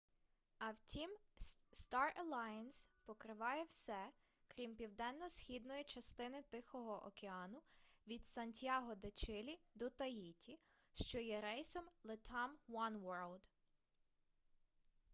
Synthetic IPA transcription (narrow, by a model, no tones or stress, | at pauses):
ɐwtʲimst̪ɑrɐlˠɑjɐnspɔkɾɪʋɑjɛwsɛ | kɾʲimpʲiwd̪ɛnːɔsxʲid̪nɔjit͡ʃɐst̪ɪnɪt̪ɪxɔɦɔʔɔ̰keɑnʊʋʲid̪sɐnʲtʲjɑɦɔd̪et͡ʃɪlʲid̪ɔt̪ɐjitʲi | ʃt͡ʃɔjɛɾɛjsɔmlˠɪt̪ʰɑmwɔnwɔɹlˠd̪